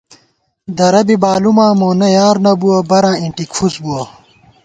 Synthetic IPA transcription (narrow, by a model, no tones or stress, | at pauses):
d̪ɐɾɐbibaːlumãːmoːnɐjaːɾnɐbuwɐbɐɾãːiɳʈikfusbuɐ